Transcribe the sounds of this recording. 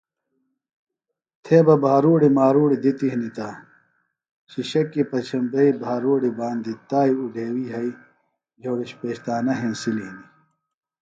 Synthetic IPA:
t̪ʰeːbɐbʱaːɾuːɽimaːɾuːɽid̪it̪iɦnit̪aː | ɕiɕɐkːipɐt͡ɕʰɐmbeibʱaːɾuːɽibaːnd̪it̪aːiuɖʱeːwiːɦɐi | d͡ʑoːɽiɕpeːɕt̪aːnɐɦẽːnsiliɦni

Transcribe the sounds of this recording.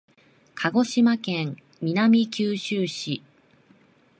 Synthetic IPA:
kʰaɡo̞ɕimakẽŋ | mʲinamʲikʲɨːɕɨːɕi

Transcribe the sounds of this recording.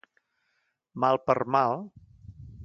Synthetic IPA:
malˠpərmalˠ

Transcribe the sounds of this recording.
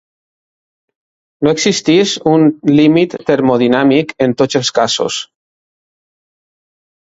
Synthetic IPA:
noeksist̪isunlimit̪ːeɾmoðinamikent̪ot͡selˠskaso̰s

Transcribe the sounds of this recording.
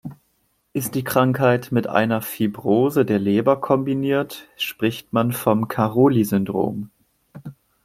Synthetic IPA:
ʔɪst̚d̥iːkʁ̥aŋkhaɪtmɪtʔa̰ɪnɐfibʁoːzədeːɐleːbɐkʰɔmbiniːɐtʃpʁ̥ɪçtmanfɔmkʰaʁoːlizʏndʁo̰ːm

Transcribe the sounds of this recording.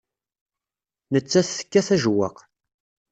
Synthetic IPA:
nət͡sːæθθə̥kːæθæʒwæ̰q

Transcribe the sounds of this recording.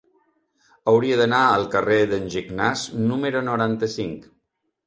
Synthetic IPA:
əwɾiəðənaəlˠkəreðənʲʒiɡnaznuməɾunuɾant̪əsiŋk

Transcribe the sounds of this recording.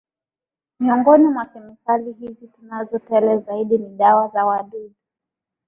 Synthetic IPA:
miɔŋɡɔnimwakɛmikalihizitunazɔtɛlɛzaiɗiniɗawazawaɗuɗu

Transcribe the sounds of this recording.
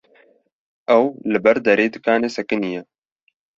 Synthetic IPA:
ʔɛwlɨbɛɾd̪ɐɾeːd̪ɨkaːneːsɛkɨnijɛ

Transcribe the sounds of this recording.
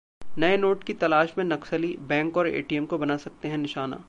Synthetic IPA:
nɐenoːʈkit̪ɐlaːʃmẽnɐksəlibɛ̃ːŋkɔːɾḛːʈiɛmkobɐnaːsɐk̚t̪eɦɛ̃nɪʃaːna̰ː

